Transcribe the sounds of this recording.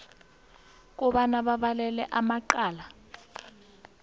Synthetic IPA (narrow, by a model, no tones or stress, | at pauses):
k̬ʼɔɓanaɓaɓalɛlɛʔamaǃaːla